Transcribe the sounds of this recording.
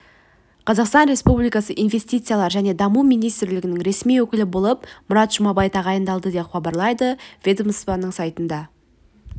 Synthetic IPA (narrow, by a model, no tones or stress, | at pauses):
qʰɑzɑqst̪ɑnɾe̞spublijkɑsəʔijnvʲe̞sʲt̪ijt̪sɨjalˠɑɾʒæne̞d̪ɑmumijnijst̪ɪɾlɪɡʲɪnɪŋɾe̞smijwɵkʲɪlɪbo̞lˠəpmʊɾɑt̪ʒ̥ʊmɑbɑjt̪ʰɑʁɑjənd̪ɑlˠd̪əd̪e̞pχɑbɑɾlˠɑjd̪əvʲed̪əmspɑnːəɴsɑjt̪ənd̪ɑ